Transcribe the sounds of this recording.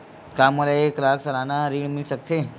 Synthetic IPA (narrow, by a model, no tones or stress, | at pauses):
kaːmolaeklaːksɐlaːnaɾiːɽmɪlsək̚t̪ʰe